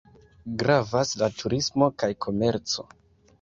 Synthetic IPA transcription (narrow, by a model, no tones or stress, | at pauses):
ɡɾavaslatʰuɾismo̞kajkʰo̞me̞ɾt͡so̞̰